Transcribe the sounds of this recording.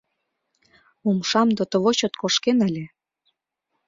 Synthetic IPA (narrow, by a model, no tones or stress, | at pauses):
umʃɑmd̪ot̪ə̆βoɕot̪koʃkenə̆lʲĕ